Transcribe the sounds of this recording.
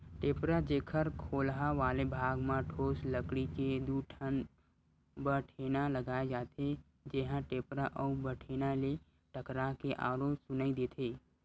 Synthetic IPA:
ʈeːpɾad͡ʒeːkʰəɾkʰoːlɦaʋaːlebʱaːɡmãʈʰoːsləkɽiked̪uːʈʰən | bəʈʰeːnaləɡaːed͡ʒaːt̪e | d͡ʒeɦãʈeːpɾaʔəbəʈʰeːnale | ʈʰəkɾakeʔa̰ːɾosʊnaːid̪eːt̪ʰeː

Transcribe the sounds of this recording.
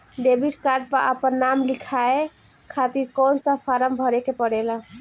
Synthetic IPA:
ɖebʱiʈkaɾɖ̚pəɾʔa̰pənːamlikʰae | kʰat̪iɾkɔnsə̃pʰaɾəmbʱəɾekepəɽelã

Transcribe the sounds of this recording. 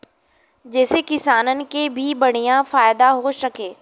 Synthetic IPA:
d͡ʒɛːsekɪsaːnənɪ̆kebʱibɐɽ̤̃ijãfaːjd̪aɦoʃɐkeː

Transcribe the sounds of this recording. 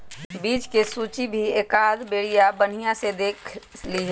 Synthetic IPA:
biːt͡ʃkesuːt͡ʃibʱieːkaːd̪beːɽijabən̤ijãsed̪eːkʰliɦ

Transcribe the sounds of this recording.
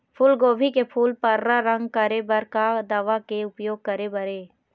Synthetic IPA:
pʰʊlɡoːbʱikepʰuːlpɐɾːaɾə̃ŋɡkəɾebɐɾkad̪aːʋakeʊpjoːɡ̚kəɾebəɾeː

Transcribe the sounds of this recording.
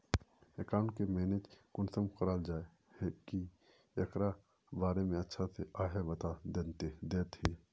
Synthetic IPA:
ekaːʊɳkemeːned͡ʒkʊnsəmqɾaːld͡ʒaːe | hki | jɐkɾa | baːɾemẽɐtːʃʰaseʔaːɦebɐt̪ad̪et̪ed̪eːt̪heː

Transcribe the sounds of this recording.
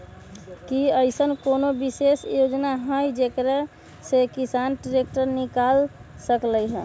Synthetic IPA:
kiəjsənkonobisesjod͡ʒnaɦəjd͡ʒekɾɛ | sekisanʈiɾekʈəɾnikalsəkləjɦɛ̰̃

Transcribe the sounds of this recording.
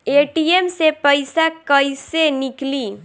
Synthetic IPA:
eʈiemsepəɪsakəjsenikli

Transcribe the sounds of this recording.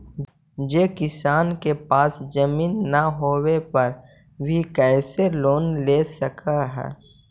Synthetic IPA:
d͡ʒeːkɪsaːnkepaːsd͡ʒɐmiːnːaɦoːwepɐɾ | bʱikɛːseloːnleːsɐkʰaɦɛ̰ː

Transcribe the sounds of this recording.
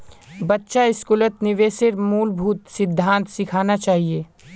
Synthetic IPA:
bɐtːʃaɪskuːlət̪nɪʋeːsɪɾmuːlbʱuːt̪sɪd̪ʱːãːnt̪sɪkʰaːnat͡ʃaːɦieː

